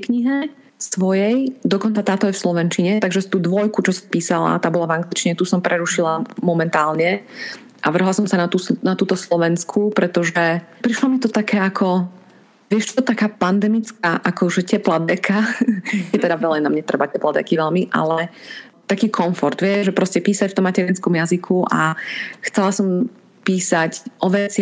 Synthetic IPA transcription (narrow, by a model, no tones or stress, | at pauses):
kɲiɦɛ | sʋɔjɛjd̪ɔkɔnt͡sat̪aːt̪ɔjɛfslɔʋɛnt͡ʃiɲɛt̪aɡʒɛst̪uːd̪ʋɔjkut͡ʃɔsɔ̥piːsala̰t̪aːbɔlavaŋɡlit͡ʃiɲɛt̪usɔmpɾʔɛɾuʃilamɔmɛnt̪aːlɲɛ | ʔaʋr̩ɦlasɔmsanat̪usnat̪uːt̪ɔslɔʋɛnskʰupɾɛt̪ɔʒɛpɾiʃlamit̪ɔt̪akɛːakʰɔ | ʋɪɛʃt͡ʃɔɔt̪akaːpand̪ɛmit͡skaːʔakɔʒɛcɛplad̪ɛkʰajɛt̪ɛd̪aʋɛlɛɪnamɲɛt̪ɾrɛbacɛplad̪ɛ̰kiʋɛlmiʔa̰lɛ | t̪akiːkʰɔɱfɔɾd̪ʋɪɛʒʒɛpɾɔscɛpiːsacft̪ɔmːacɛɾinskɔmjazikʰuʔaxt͡sɛlasɔm | piːsacʔɔʋɛt͡sɪ